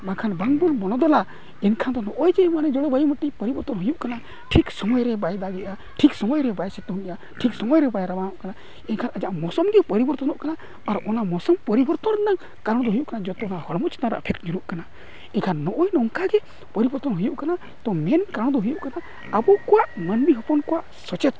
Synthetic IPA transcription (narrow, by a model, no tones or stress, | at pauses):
makʰanbaŋbulbɔnɔd̪ɔla | ɛnkʰand̪ɔnɔʔɔjd͡ʒɛmanɛd͡ʒɔɽɔbajuməʈipəɾibɔɾt̪ɔnɦujuʔkana | ʈʰiksɔmɔjɾɛbajd̪aɡɛʔa | ʈʰiksɔmɔjɾɛbajsɛt̪ɦunija | ʈʰiksɔmɔjɾɛbajɾabanɔʔkana | ɛnkʰanad͡ʒaʔmɔsɔmɡɛpəɾibɔɾt̪ɔnɔʔkana | aɾɔnamɔsɔmpəɾibɔɾt̪ɔnnaŋ | kaɾɽ̃d̪ɔɦujuʔkanad͡ʒɔt̪ɛɔnahɔɽmɔt͡ʃt̪aɾa̰pʰekʈd͡ʒuɾuʔkana | ɛnkʰanːɔʔɔjnɔŋkaɡɛ | pəɾibɔɾt̪ɔnɦujuʔkana | t̪ɔmɛnkaɾ̃d̪ɔɦujuʔkana | əbukɔwaʔmənmiɦɔpɔnkɔwaʔ | sɔt͡ʃɛt̪̚